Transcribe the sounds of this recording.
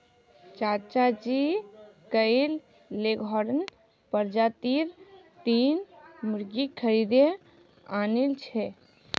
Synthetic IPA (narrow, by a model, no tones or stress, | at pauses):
t͡ʃaɾt͡ʃad͡ʒikəjlː | eɡʱɔɾən | pəɾd͡ʒat̪iɾ | t̪inmuɾɡikʰəɾid̪e | anilt͡ʃʰɛ